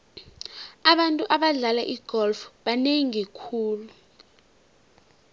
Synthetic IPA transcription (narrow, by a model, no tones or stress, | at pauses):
aɓantʼuʔaɓaɮalaʔiɡ̥ʱɔlfɓaneŋikʰuːlu